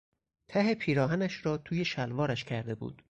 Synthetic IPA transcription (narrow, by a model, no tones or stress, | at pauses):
t̪ʰæɦepʰiːɾɒːɦænæʃɾɒːt̪ʰuːje̞ʃælvɒːɾæʃcʰæɾd̪e̞bṵːd̪̥